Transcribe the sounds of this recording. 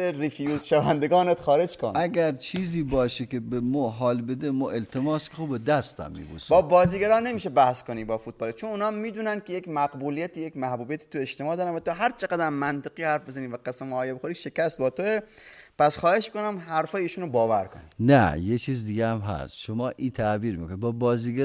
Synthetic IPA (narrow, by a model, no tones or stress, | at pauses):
ɾifijuzʃævænd̪eɡɒːnet̪xɒːɾe̞d͡ʒkʰo̰næɡʲæɾt͡ʃʰiːziːbɒːʃekʲebemɔɦɒːlbed̪emɔːʔelt̪ʰemɒːskʰʲexubed̪æst̪æ̰mːḭːbṵsbɒːbɒːziːɡæɾɒːne̞miːʃebæhskoniːbɒːfut̪̚bɒːlet͡ʃʰonuːnɒːmːiːd̪uːnænd̪̚kʰejekmæɡbuːlijæt̪ʰijekʲmæhbuːbijæt̪ʰi̥ːt̪ueʃt̪emɒːd̪ɒːɾænvæt̪oɦæɾt͡ʃʰeɡæd̪æmːænt̪eqiːhæɾfbe̞zæniːvæqæsemoːjeboxoɾiːʃe̞kæst̪̚bɒːt̪ʰoepæsxɒːhe̞ʃkonæmɦæɾfɒːjeiːʃuːnobɒːvæɾkʰonḭnæ̰jet͡ʃʰiːzd̪iɡeæmɦæ̰st̪ʃomɒːʔit̪ʰæbiːɾmḭːkonid̪bɒːbɒːziːɡæ